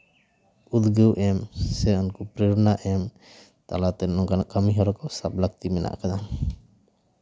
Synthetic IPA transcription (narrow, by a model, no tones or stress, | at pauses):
ud̪ɡəwʔɛmsɛɔnkɔpɾɛɾunaʔɛm | t̪alat̪ɛɔŋɡanakamiɦɔɾɔkɔsap̚lak̚t̪imɛnʔa̰ʔkad̪a